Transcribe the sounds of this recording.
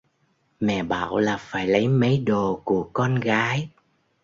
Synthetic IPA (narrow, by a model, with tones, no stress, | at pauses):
mɛ̰˧˨ɓa̰ː˧˨wlaː˨˩faː˧˩jlə˨˦jmə˨˦jɗo˨˩ku˧˩əkɔ˧nɣaː˨˦j